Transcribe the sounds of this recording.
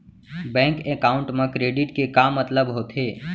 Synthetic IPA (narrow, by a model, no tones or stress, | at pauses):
bɛ̃ːŋkekaːʊ̃ɳʈmẽkɾeːɖɪʈkekaːmːət̪ləbɦoːt̪ɦeː